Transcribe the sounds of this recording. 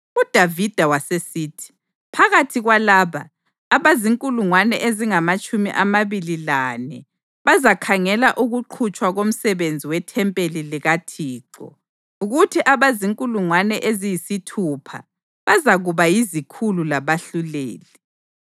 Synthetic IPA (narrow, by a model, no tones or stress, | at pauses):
ud̥ʱavid̥ʱawasesiːtʰi̥ | pʰaɣatʰiɣwalaːβaː | βaziŋkʼuluŋwanɛʔeziŋamat͡ʃʼumḭʔamaβililanɛ | βazakʰaŋɛlaʔuɣuǃʰut͡ʃʼwaɣom̩sɛβend͡zʱiwɛtʰɛmpʼeliliɣatʰiːǁɔ̰ | uɣutʰiʔaβaziŋkʼuluŋwanɛʔezijisitʰupʰa̰ | βazaɣuβajizikʰululaβaɬulḛːlɛ